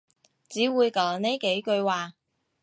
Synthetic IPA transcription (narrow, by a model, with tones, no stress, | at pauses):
t͡siː˨˥wuː˨˧jkɔː˨˥ŋne˥jke˨˥jkɵ˧ɥwaː˨